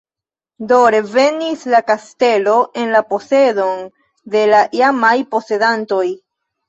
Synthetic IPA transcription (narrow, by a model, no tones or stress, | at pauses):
doɾe̞ve̞nislakaste̞lo̞ʔe̞nlapo̞se̞do̞n | de̞laʔiamajpo̞se̞danto̞j